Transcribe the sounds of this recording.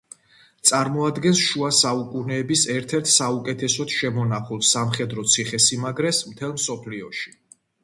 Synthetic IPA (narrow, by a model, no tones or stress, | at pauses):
t̪sʼaɾmɔad̪ɡɛnsʃuasaukʼunɛːbisɛɾt̪ʰɛɾt̪ʰsaukʼɛt̪ʰɛsɔt̪ʃɛmɔnaχulˠsamχɛd̪ɾɔt̪sʰiχɛsimaɡɾɛsmt̪ʰɛlˠmsɔpʰliɔʃi̥